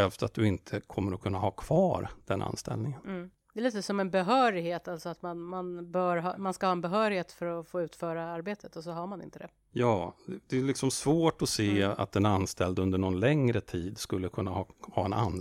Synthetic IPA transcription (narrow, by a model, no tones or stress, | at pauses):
ɛlft̪at̪̚d̪ɵɪnt̪ʰəkʰɔmːəɾɔkʰɵnːahɑːkʰv̥ɑːɾd̪̥ɛnʔa̰nst̪ɛ̰lnɪŋən̩ː | d̪ɛliːt̪əsɔmɛnbɛɦœːɾɪɡheːt̪altsɔat̪manmanbœːɾɦɑ̰manskahɑːɛnbɛɦœːɾɪɡheːt̪fœɾɔfoːʉ̟ːt̪fœːɾaaɾbeːt̪ʰət̪ɔsɔɦaɾmanɪ̰nt̪əd̪ɛ | jɑːɛd̪ɛɛlɪksɔmsvoːʈɔseːa̰t̪̚d̪ɛnanːst̪ʰɛld̪ɵnd̪əɳɔnlɛŋɾət̪ʰiːd̪skɵlːəkʰɵnːahɑhɑ̰ːɛna̰n